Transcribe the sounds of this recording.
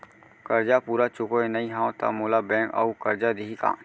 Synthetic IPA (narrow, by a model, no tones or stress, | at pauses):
kɐɾd͡ʒapuːɾat͡ʃʊkoenɐĩɦãːõt̪a̰moːlabɛ̃ːka̰ukɐɾd͡ʒad̪iɦika̰ː